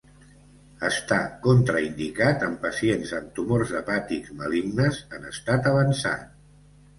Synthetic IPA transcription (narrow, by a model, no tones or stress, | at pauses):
əst̪akont̪ɾəind̪ikat̪əmpəsienzənt̪umorzðəpat̪ikzməlimnəzənə̰st̪at̪əβənsa̰t̪